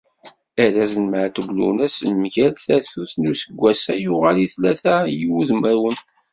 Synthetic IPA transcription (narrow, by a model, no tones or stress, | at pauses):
æɾæzənmʕat̪əɡlṵnæsənmʝælθæθuθnusəɡʷːæsæjʊʁaliθlæθæjiwuðmæwən